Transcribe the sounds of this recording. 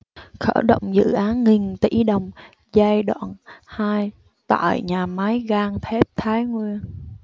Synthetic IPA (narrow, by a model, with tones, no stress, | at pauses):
xə̰ː˧˩ɗə̰˧˨wŋ͡mzɨ̰˧˨ʔaː˨˦nŋi˨˩nt̪ḭ˧˩ɗə˨˩wŋ͡m | za˧jɗwa̰ː˧˨nhaː˧j | t̪a̰ː˧˨jɲaː˨˩ma˨˦jɣaː˧ŋt̪ʰe˦˥p̚t̪ʰaː˨˦jŋwi˧ən